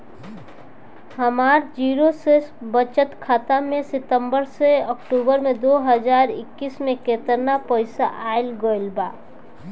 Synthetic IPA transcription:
ɦəmaːɾd͡ʒiːɾosesbət͡ʃət̪kʰaːt̪amẽsɪt̪ə̃mbəɾseɔkʈuːbəɾmẽd̪oɦəd͡ʒaːɾɪ̰kːismẽkeːt̪əɾnapɔɪsaʔaːɪlɡoɪlbaː

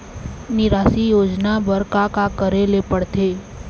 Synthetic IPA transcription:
nɪɾaːsijoːd͡ʒnabəɾkakakəɾelepəɽt̪ʰeː

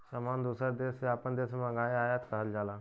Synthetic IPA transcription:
səmand̪uːsəɾd̪eseaːpənd̪esmãɡaːjeaːjat̪kəɦəld͡ʒaːlaː

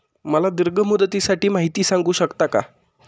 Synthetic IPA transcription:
məlad̪iɾɡʱəmud̪ət̪iːsaʈiːmaɦit̪iːsãŋɡuːɕəkt̪aka̰

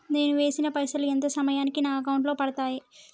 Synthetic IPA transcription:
ne̞ːnuʋe̞ːsinɐpɐjsɐluent̪ɐsɐmɐjaːnikinaːɐk̬ɐwuɳʈlo̞ːpɐɽɐt̪aːji

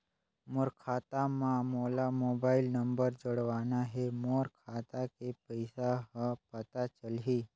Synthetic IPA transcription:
moːɾkʰaːt̪amãmoːlamoːbaːɪlnə̃mbəɾd͡ʒəɽʋaːnaɦɛmoɾkʰaːt̪akepəɪsaɦəpət̪at͡ʃəlɦi

